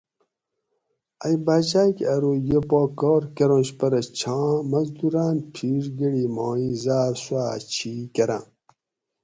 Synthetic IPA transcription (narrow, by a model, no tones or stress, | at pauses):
ajbad͡ʑaːkɐɾojepoːkɔːɾkɐɾõnɕpɐɾɐt͡ɕʰãːmɐzd̪uɾaːnpʰiɾɡiɽiːmoːĩzaːɾswaːt͡ɕʰiːkɐɾã̰